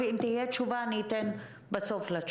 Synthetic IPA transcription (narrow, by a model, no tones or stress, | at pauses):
eimt̪ihijɛtt͡ʃuvanit̪en | basoflat͡ʃ